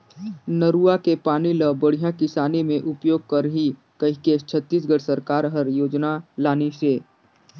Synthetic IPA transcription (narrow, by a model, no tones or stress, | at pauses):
nəɾuakepaːniləbəɽ̤ijãkɪsaːnemẽʔʊpjoːɡ̚kɐɾɦi | kɐikest͡ʃʰət̪ːiːs̬ɡəɽsəɾkaːɾɦəɾjoːd͡ʒnalaːniseː